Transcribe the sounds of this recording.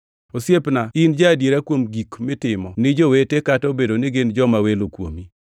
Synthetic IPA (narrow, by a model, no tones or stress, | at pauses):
osjepnaɪnd͡ʒaːdjeɾakwomɡikmɪtɪmɔnɪd͡ʒowetekatobedonɪɡɪnd͡ʒɔmawelokwo̰mi